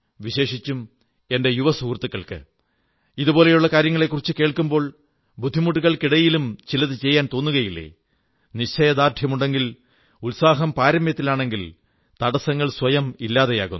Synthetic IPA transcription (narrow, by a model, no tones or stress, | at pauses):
ʋiɕe̞ːʂit͡ɕːum | e̞nde̞juʋɐsuːrt̪ːukːɐɭkɨ̰ | iðubo̞ːle̞juɭːɐkaːɾjɐŋːɐɭe̞kːurit͡ɕːɨke̞ːɭkumbo̞ːɭ | bud̪ʱːimuʈːuɣɐɭkiɽɐjilumt͡ɕilɐðɨt͡ɕe̞jːaːnt̪o̞ːnːuɣɐjilːḛ | niɕt͡ɕʰːɐjɐd̪aːrt̪ʰjɐmuɳɖe̞ŋɡil | ulsaːɦɐmpaːɾɐmjɐt̪ːilaːɳe̞ŋɡil | t̪ɐɽɐsɐŋːɐɭswɐjɐmilːaːðeja̰ːɣunː